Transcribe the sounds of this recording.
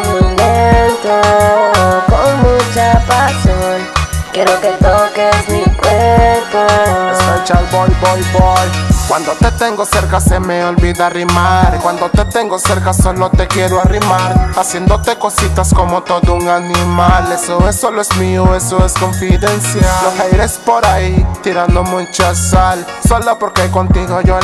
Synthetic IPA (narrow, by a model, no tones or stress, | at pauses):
moment̪o | koŋmut͡ʃapasonkjeɾoket̪okesmikweɾposojt͡ʃabojbojbojkwand̪ot̪et̪eŋɡoseɾkasemeolβiðarimaɾkwand̪ot̪et̪eŋɡoseɾkasolot̪ekjeɾoarimaɾasjend̪ot̪ekosit̪askomot̪oðouŋanimalesoesoloesmioesoeskoɱfiðensjalohejɾespoɾait̪iɾand̪omut͡ʃasal | solopoɾkekont̪iɣojo